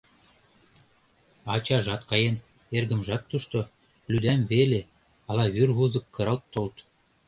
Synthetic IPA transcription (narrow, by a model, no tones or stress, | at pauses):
ɑt͡ɕɑʒɑt̪kɑjen | erɡə̆mʒɑt̪ːuʃt̪o | lʲyd̪æmbele | ɑlɑβyrβuzɤ̆kːɤ̆ɾɑ̆lt̪ːolt̪